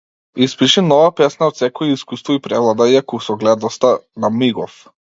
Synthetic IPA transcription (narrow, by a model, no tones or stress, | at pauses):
ispiʃinɔvapɛsnaɔt̪sɛkɔɛiskust̪vɔipɾɛvlˠad̪aiakusɔɡlɛd̪nɔst̪anamiɡɔf